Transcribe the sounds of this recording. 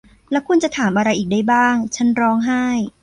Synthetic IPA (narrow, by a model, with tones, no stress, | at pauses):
lɛː˦˥wkʰu˧nt͡ɕa˨˩t̪ʰaː˩˦mʔa˧ɾa˧jʔiː˨˩k̚daː˥˩jbaː˥˩ŋt͡ɕʰa˦˥nɾɔː˦˥ŋɦa˥˩j